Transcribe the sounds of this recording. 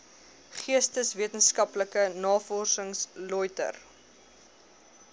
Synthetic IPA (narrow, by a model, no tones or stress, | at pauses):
χiəstəsviətənskɐpləkənɑːfɔrsəŋslɔjtə̰r